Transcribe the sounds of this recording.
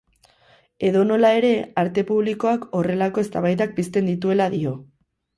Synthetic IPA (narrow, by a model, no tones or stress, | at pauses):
e̞ðo̞no̞lae̞ɾe̞aɾt̪e̞puβliko̞ako̞re̞lako̞e̞st̪aβajðak̚bist̪e̞nd̪it̪ue̞laðio̞